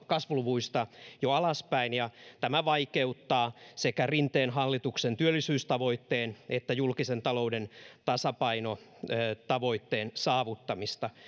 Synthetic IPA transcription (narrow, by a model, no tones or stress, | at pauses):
kɑsʋluʋuist̪ɑjoɑlɑspæinjɑt̪æmæʋɑikeut̪ːɑːsekærint̪eːnɦɑlːit̪uksent̪yølːisyːst̪ɑʋo̞it̪ːeːnet̪ːæjulkisent̪ɑloudent̪ɑsɑpɑinoøt̪ɑʋo̞it̪ːeːnsɑːʋut̪ːɑmist̪ɑ